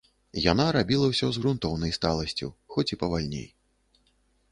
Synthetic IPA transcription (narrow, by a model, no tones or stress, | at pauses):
jan̪aɾabʲilˠɐwsʲɔzɣɾunt̪ɔwnɐjst̪alˠɐsʲt͡sʲṵwxɔt͡sʲipɐvalʲnʲḛj